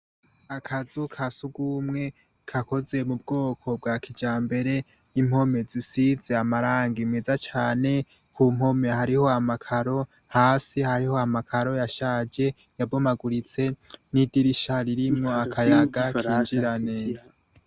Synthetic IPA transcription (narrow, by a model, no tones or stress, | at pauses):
akʰazukʰasuɡuːmŋe̞ | kʰako̞ze̞mub̚ɡo̞ːkʰo̞b̚ɡakʰid͡ʒaːmbe̞ɾe̞ | im̥ho̞me̞zisize̞amaɾaːŋɡimŋezat͡ʃaːne̞ | kum̥ho̞me̞haɾiho̞amakʰaɾo̞ | haːsihaɾiho̞amakʰaɾo̞jaʃaːd͡ʒe̞ | jabomaɡuɾit͡se̞nidiɾiʃaɾiɾimŋo̞akʰajaɡakiːɲd͡ʒiɾaneːza